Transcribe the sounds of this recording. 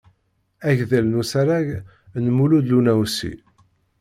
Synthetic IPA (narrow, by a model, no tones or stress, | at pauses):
æʝðælnusæɾaʝ | nmulud̪lunæwsḭ